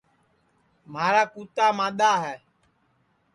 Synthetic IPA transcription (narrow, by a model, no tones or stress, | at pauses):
m̤aɾakut̪amãɗaɦɛ